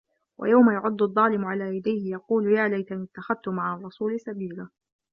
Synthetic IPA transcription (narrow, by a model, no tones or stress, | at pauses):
wa̰jawmajʊʕʊd̪ˤːʊðˤːɑːlɪmʊʕalaːjad̪ajhɪjɑquːljaːlajt̪anɪt̪ːaxað̚t̪ʊmaʕɑrˤːɑsuːlɪsabiːlaː